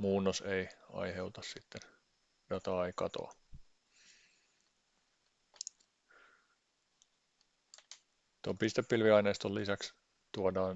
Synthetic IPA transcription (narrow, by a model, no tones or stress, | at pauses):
muːnːoseiɑ̰jhe̞uwt̪ɑssit̪ːen | d̥ɑt̪ɑːeikɑ̰t̪o̰ɑ | t̪ompist̪epːilʋiɑineist̪olːisæks | t̪uɑodɑːn